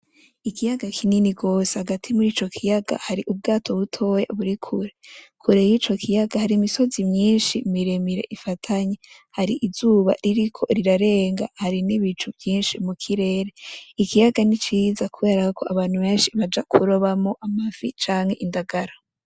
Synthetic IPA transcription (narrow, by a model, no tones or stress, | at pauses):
ikijaɡakʰininiɡo̞ːsehaɡatʰimuɾiːt͡ʃo̞kʰijaɡ̥a̰haɾiʔub̚ɡaːtʰo̞βutʰo̞ja̰βuɾikʰuɾekʰuɾe̞jiːt͡ʃo̞kʰijaɡahaɾimiso̞zimɲiːnʃimiɾemiɾe̞̰ʔifatʰaɲe | haɾiʔizuːβa̰ɾiɾikʰo̞̰ɾiɾaɾe̞ːŋɡa̰haɾiniβit͡ʃuvjiːnʃimukʰiɾe̞ːɾe̞ikijaɡanit͡ʃiːzakuβe̞ːɾakakʰo̞ʔaβaːn̥huβe̞ːnʃiβad͡ʒakʰuɾoβamo̞ʔamavit͡ʃaːŋhe̞ʔindaɡaɾa